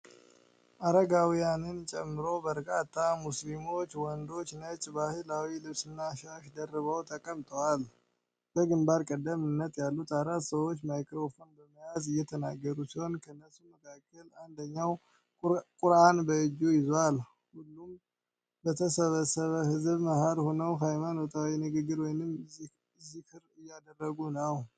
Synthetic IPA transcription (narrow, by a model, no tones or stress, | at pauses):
ʔaɾəɡawijanɨnt͡ʃʼɛmːɨɾo̞bəɾkʼat̪ʰːamuslimo̞t͡ʃːwɔnd̪o̞t͡ʃːnət͡ʃʼbahɨlawilɨβsɨnːaʃaʃd̪ərːɨβəwt̪ʰəkʼəmt̪ʼəwal | b̥əɡɨmbaɾkʼəd̪ːəmɨnːət̪jalːut̪ʰaɾat̪ːsəwo̞t͡ʃːmajkɾofonbəməjazɨjːɛt̪ʰənaɡːəɾusiho̞nkʰəɨnːəsumːəkʰakʰːəland̪əɲːaw | kʼʊɾanbəɨd͡ʒujɪzal | hulːum | bət̪ʰəsəβəsəβəhɨzβməhaɾhonəwɦajmanot̪ʼawinɨɡɨɡɨɾwɔjnɨm | zihɨɾɨjːad̪ərːəɡunəw